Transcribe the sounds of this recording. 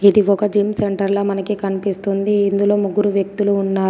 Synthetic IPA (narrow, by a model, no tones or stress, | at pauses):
id̪iɔkɐd͡ʒiːmseɳʈɐɾloːmɐnɐkikɐnipist̪und̪iːnd̪ulo̞ːmuɡːuɾuʋjɐk̚t̪uluːnːaː